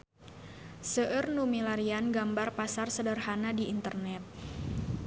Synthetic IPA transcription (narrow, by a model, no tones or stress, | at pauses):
səʔərnumilaɾianɡambarpasarsədərhanadiːnt̪ərnɛt̪̚